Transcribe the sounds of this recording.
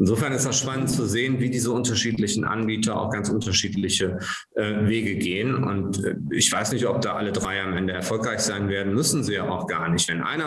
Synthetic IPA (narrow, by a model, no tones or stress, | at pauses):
ʔɪnzoːfɛɐnɪstd̥asʃpanəntt͡suzeːənviːdiːzəʊntɐʃiːtlɪçn̩ʔa̰nbiːtʰɐa̰ʊxɡ̥ant͡sʔʊntɐʃiːtlɪçə | ʔɛːveːɡəɡeːənʊ̰ntɛ̰ːɪçv̥aɪsnɪçtɔp̚d̥aːʔalədʁaɪamʔɛndəɛɐfɔlkʁaɪçz̥aɪnveːɐdn̩mʏsn̩ziːjaːa̰ʊxɡ̥aːɐnɪçtv̥ɛnʔa̰ɪnɐ